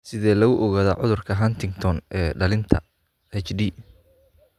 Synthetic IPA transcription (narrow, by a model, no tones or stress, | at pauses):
sɪðɛːlɐɣʊʔɔɣaːðɐʕʊðʊrkʰɐɦɐnt̪ʰɪŋɡt̪ʰɔnʔɛːɖɐlɪnt̪ʰɐ̰ | ɛt͡ʃɖiː